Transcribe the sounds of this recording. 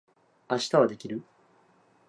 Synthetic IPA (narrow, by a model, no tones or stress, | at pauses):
aɕi̥t̪aβad̪e̞kʲiɾɯ